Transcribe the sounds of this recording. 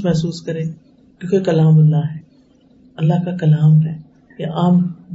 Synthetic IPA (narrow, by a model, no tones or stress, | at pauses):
mɛɦsuːskɐɾẽː | kjõːkekɐlaːmɐlːaɦɛː | ɐlːaɦkakɐlaːmɦɛ | jaʔaːm